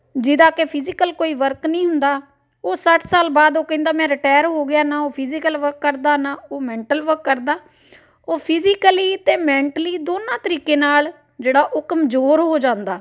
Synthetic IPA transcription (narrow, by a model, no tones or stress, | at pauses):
d͡ʒɪd̪aːkepʰɪzɪkəlkoːiːʋəɾknəĩːɦʊnd̪aː | oːsəʈʰsaːlbaːd̪oːkɛ̃ĩnd̪aːmɛ̃ːɾɪʈaːəɾɦoːɡɪjaːnãːoːpʰɪzikəlʋəɾkːəɾd̪aːnãːoːmɛ̃ːɳʈəlʋəɾkːəɾd̪aː | oːpʰɪzɪkəliːt̪eːmɛ̃ːɳʈəliːd̪oːnãːt̪əɾiːkeːnaːl | d͡ʒeːɽaːʔoːkəmzoːɾɦoːd͡ʒãːnd̪aː